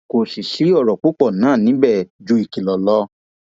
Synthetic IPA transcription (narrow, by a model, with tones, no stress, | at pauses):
ko˨si˨si˨˦ɔ˦˨ɾɔ˨k͡po˦k͡pɔ˦˨nãː˦˨nĩ˨˦bɛ˦˨d͡ʒu˧˦i˦˨ki˨lɔ˨lɔ˧˦